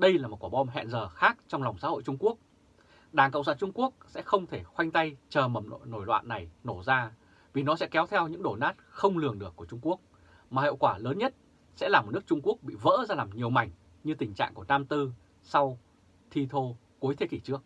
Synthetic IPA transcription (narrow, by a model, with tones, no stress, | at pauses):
ɗə˧jlaː˨˩mo˨˩kwaː˧˩ɓɔ˧mɦɛ̰˧˨nzəː˨˩xaː˦˥k̚t͡ɕɔ˧wŋ͡mla˨˩wŋ͡msa̰ː˧˥ho̰˧˨jt͡ɕʊ˧ŋ͡mku˦˥ək̚ | ɗaː˨˩ŋkə̰˧˨ŋ͡msaː˧˩t͡ɕʊ˧ŋ͡mku˦˥ək̚sɛ̰˧˥xə˧wŋ͡mt̪ʰe˧˩xwa˧jŋ̟t̪a˧jt͡ɕəː˨˩mə˨˩˧no˧˩jlwa̰ː˧˨nːa˨˩jno˧˩zaː˧ | vi˨˩nɔ˨˦sɛ̰˧˥kɛ˨˦wt̪ʰɛ˧wɲɨ̰˧˥ŋɗo˧˩naː˦˥t̚xə˧wŋ͡mlɨ˨˩əŋɗɨ˧˩əkːu˧˩ət͡ɕʊ˧ŋ͡mku˦˥ək̚ | maː˨˩ḭ˧˨wkwaː˧˩ləː˨˦nɲə˦˥t̚ | sɛ̰˧˥laː˨˩m˨˩tnɨ˦˥ək̚t͡ɕʊ˧ŋ͡mku˦˥ək̚ɓḭ˧˨və̰ː˧˥zaː˧laː˨˩mɲi˨˩əwma˨˩jŋ̟ | ɲɨ˧t̪ï˨˩ŋ̟t͡ɕa̰ː˧˨ŋku˧˩ənaː˧mt̪ɨ˧ | sa˧w | t̪ʰi˧t̪ʰo˧ | ku˨˦jt̪ʰe˨˦ki˧˩t͡ɕɨ˦˥ək̚